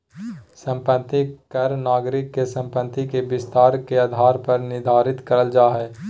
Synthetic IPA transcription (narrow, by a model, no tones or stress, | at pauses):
sə̃mpət̪ikəɾnaːɡɾɪkːesə̃mpət̪ikebɪst̪aːɾkeaːd̪ʱaːɾpəɾnɪd̪ʱaːɾɪt̪kəɾəld͡ʒaːɦɛː